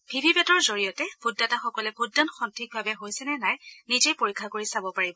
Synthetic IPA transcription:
b̥ʱibʱibɛtɔɹzoɹijɔtɛb̥ʰʱudːataxɔkɔlɛbʰʱodːanxɔntʰik̚bʱabɛɦojsɛnɛnajnizejpoɹikʰːakoɹisabɔpaɹibɔ

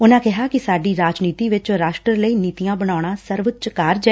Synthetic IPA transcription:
ʊnãːkɪɦaːkɪsaːɖiːɾaːd͡ʒniːt̪iːʋɪt͡ʃɾaːʃʈɾəɾləiːniːt̪ijãːbəɽ̃aːɽ̃ãːsəɾʋət͡ʃkaɾd͡ʒɛ

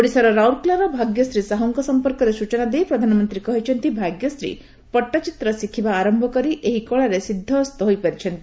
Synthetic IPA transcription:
oɽisaɾɔɾawuɾklaɾɔbʱaɡjɔsɾisaɦɔŋkɔsɔmpɔɾkɔɾesut͡ʃɔnad̪ejpɾɔd̪ʱanɔmɔnt̪ɾikɔɦit͡ʃʰɔnt̪ibʱaɡjɔsɾḭ | pɔʈːat͡ʃit̪ɾɔsikʰibaːɾɔmbʱɔkɔɾiʔeɦikɔɭaɾesid̪ʱːɔːst̪ɔɦojpaɾit͡ʃʰɔnt̪i

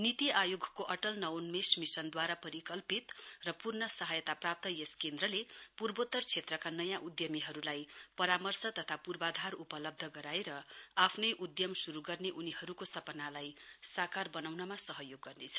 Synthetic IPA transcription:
nit̪iajoɡʱkoʔʌʈʌlnʌwnmesmisʌnd̪waɾapʌɾikʌlpit̪rʌpurnʌsʌɦʌjʌt̪aprap̚t̪ʌjeskend̪rʌlepurbot̪ːʌrt͡sʰet̪rʌkanʌjãʔud̪jʌmiɦʌɾulajpʌɾamʌrsʌt̪ʌt̪ʰapurbad̪ʱaɾupʌlʌb̚d̪ʱʌɡʌɾaeɾʌapʰnʌjʔud̪jʌmsuɾuɡʌrneʔunihʌɾukosʌpʌnalajsakarbʌnawnʌmasʌɦʌjoɡːʌrnet͡sʰʌ̥

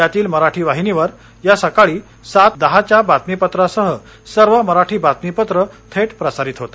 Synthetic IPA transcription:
at̪iːlməɾaʈʰiːʋaɦiniʋəɾ | jasəkaɭiː | sat̪̚d̪əɦat͡ɕjabat̪mipət̪ɾasəɦə | səɾʋəməɾaʈʰiːbat̪mipət̪ɾət̪ʰeʈpɾəsaɾit̪ɦot̪a

